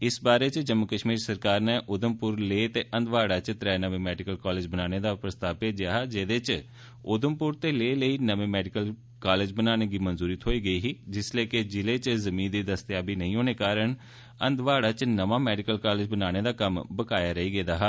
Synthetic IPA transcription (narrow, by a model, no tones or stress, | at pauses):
ɪsbaːɾeːt͡ʃd͡ʒəmːʊkəʃmiːɾsəɾkaːɾneːʔʊd̪əmpʊɾleːt̪eːʔənd̪ʋaːɽaːt͡ʃt̪ɾɛːnəʋẽːmɛːɖɪkəlkaːleːd͡ʒbənaːñeːd̪aːpɾəst̪aːpeːd͡ʒjaːɦaːd͡ʒeːd̪et͡ʃ | ʊd̪əmpʊɾt̪eːleːləiːnəʋẽːmɛːɖɪkəl | kaːled͡ʒbənaːñeːɡiːmənzuːɾiːt̪ʰɦoːiːɡəiːɦiːd͡ʒɪsleːkɪd͡ʒɪleːt͡ʃzəmĩːnd̪iːd̪əst̪jaːbiːnəĩːɦoːneːkaːɾəɳ | ə̰nd̪ʋaːɽaːt͡ʃnəʋaːmɛːɖɪkəlkaːlɪːd͡ʒbənaːñeːd̪aːkəmbəkaːjaːɾəiːɡeːd̪aːɦaː